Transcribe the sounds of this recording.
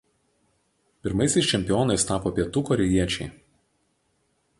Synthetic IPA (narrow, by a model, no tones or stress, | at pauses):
pʲɪɾmɐɪsʲɛɪsʲt͡ʃʲɛmʲpʲɪjoːnɐɪst̪ɑːpoːpʲiɛt̪uːkɔɾʲɛjiɛt͡ʃʲɛɪ